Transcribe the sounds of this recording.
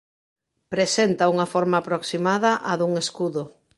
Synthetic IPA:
pɾesent̪ɐuŋɐfɔɾmaːpɾoksimaðɐʔaðuŋeskuðʊ

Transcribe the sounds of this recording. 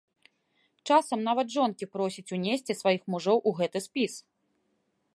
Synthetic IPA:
t͡ʂasɐmnavɐd̪ʐɔnkʲipɾɔsʲit͡sʲunʲesʲt͡sʲɛsvajixmuʐɔwʔuɣɛt̪ɨspʲis

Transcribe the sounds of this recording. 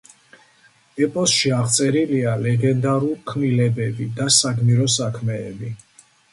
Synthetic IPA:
ɛpʼɔsʃiaʁt̪sʼɛɾilialɛɡɛnd̪aɾulkʰnilɛbɛbid̪asaɡmiɾɔsakʰmɛːbi

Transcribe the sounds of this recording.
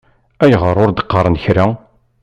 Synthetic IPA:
æjʁəɾˤʊɾd̪ə̥qːəɾˤənçɾa

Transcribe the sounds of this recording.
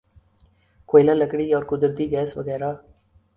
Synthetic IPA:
kojlalɐkːɐɽijaːɾkʊd̪ɪɾd̪iɡaːsʋɐ̰ɣɐːɾaː

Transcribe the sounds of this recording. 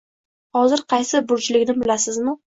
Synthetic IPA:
hɒzɪɾqʰɑjsɪbʊɾt͡ʃɪlɪkʲnɪbɪlasɪzmʊ

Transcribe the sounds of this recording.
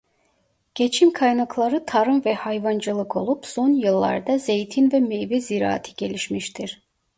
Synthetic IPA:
ɟ̥e̞t͡ʃʰimkʰajnaklˠaɾɯt̪ʰaɾɯmvɛhajvand͡ʒɯlˠɯkʰo̞̰lˠupso̞njɯlˠːa̰ɾd̪aze̞jt̪ʰinvɛmejvɛziɾa̰ːt̪ʰi̥ɟ̥e̞lʲiʃmiʃt̪ʰiɾ̥

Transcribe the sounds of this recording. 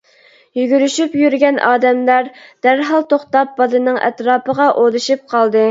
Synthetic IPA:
jyɡʲyɾyʃypjyɾɡʲɛnʔɑːd̪ɛmlæɾd̪̥æɾɦɑlˠt̪oχt̪ɑp̚bɑd̪ɨnɨŋʔɛ̰t̪ɾɑːpəʁɑʔod̪ɨʃip̚qʰɑlˠd̪ɨ

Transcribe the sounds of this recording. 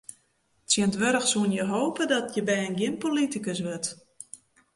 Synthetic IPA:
tsjəntʋɛɾəxsuənjəɦoːpədɔtʰjəbɛjənɡjɪnpolitikəsʋɛt

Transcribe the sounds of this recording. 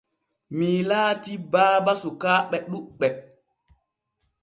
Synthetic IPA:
milaːtibaːbasukaːɓɛɗuɓɛ

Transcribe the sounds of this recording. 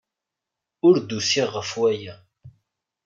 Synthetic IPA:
ʊɾd̪usiʁːəfwæjæ

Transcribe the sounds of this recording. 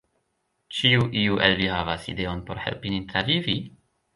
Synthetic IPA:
t͡ʃiuʔiuʔelvihavasḭde̞onpo̞ɾhe̞̰lpinitɾavivi

